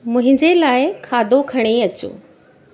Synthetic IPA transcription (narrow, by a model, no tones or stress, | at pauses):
mʊ̃ɦɪ̃ɲd͡ʑelaːɪkʰaːd̪ʱokʰɐɽ̃eɐt͡ɕo̰ː